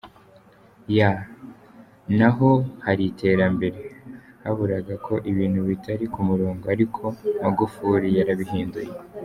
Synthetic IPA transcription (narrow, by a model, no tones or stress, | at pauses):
ja | naɦo̞haɾite̞ːɾambe̞ɾe̞haβuɾaɡakʰo̞ʔiβiːn̥huβitʰaɾikumuɾoːŋɡoaɾikʰo̞maɡufuɾijaɾaβiɦiːnduje